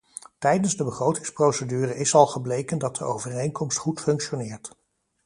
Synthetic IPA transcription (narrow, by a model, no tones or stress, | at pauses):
tɛjdənzdəbəχrowtɪ̥ŋsprowsədyːrəʔɪsɑlˠχəblejkəndɑt̚dəowvərejnkɔmstχutfɵŋkʃonɪːɹt